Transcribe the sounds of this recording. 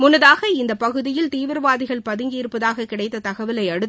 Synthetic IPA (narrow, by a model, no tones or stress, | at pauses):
mʊnːɐðaːɣɐɪnd̪ɐpɐɣɯðɪjɪlt̪iːʋɪɾʋaːðɪɣɐɭpɐðɪŋɡiːɾpːɐðaːɣɐkːɪɽɐɪt̪ːɐt̪ɐɣɐʋɪlɐɪɐɽɯt̪ː